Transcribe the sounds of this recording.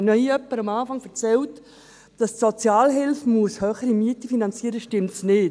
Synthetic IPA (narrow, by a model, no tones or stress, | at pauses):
nœiœpːəɾɑmaːfɑŋfɛɾt͡sɛlt | d̥ɑstsɔt͡sjaːlɦɪlfmuəshœːχəɾimyətəfinɑnt͡siːəɾəʃtɪmtsnɪːt